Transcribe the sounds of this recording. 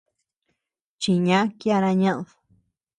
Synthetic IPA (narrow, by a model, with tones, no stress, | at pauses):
t͡ʃi˧ɲã˦kja˧nã˧ɲã˦ʔðo̥